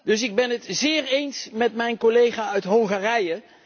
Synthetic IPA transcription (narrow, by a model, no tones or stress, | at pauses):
dɵs̬ɪɡ̚bɛnətzɪːɹejnsmɛtmɛjnkolejχaːœɥtɦɔŋχaːrɛjə